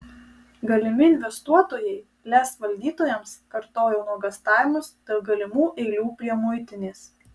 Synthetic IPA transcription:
ɡɐlʲɪmʲɪɪnʲʋʲɛst̪uɔt̪oːjɛɪ | lʲæːsʋɐlʲd̪ʲiːt̪oːjɛmskɐɾt̪oːjoːnuɔɡɐst̪ɑːʋʲɪmʊsd̪̥ʲɐlˠɡɐlʲɪmuːʔɛɪlʲuːpʲɾʲiɛmʊɪt̪ʲɪnʲeːs

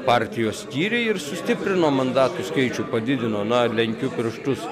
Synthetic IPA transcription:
pɑːɾʲt̪ʲɪjoːssʲkʲiːɾʲɛɪɪɾsʊsʲt̪ʲɪpʲɾʲɪnoːmɐnd̪ɑːt̪uskɐɪt͡ʃʲʊpɐd̪ʲɪd̪ʲɪnoːnɐlʲɛŋʲkʲʊpʲɪɾʃt̪ʊs

